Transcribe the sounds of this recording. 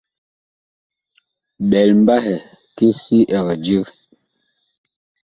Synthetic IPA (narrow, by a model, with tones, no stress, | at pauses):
ɓɛ˨lm̩˦ba˦hɛ˨ | ki˦si˦ʔɛ˨ɣɛ˨d͡ʒi˦k